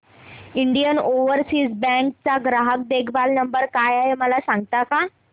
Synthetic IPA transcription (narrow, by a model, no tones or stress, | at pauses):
iɳɖijənoʋəɾsiːsbɛ̃ŋk̚t͡saɡɾaɦək̚d̪ekʰbalnəmbəɾkajaɦeməlasãŋɡt̪aka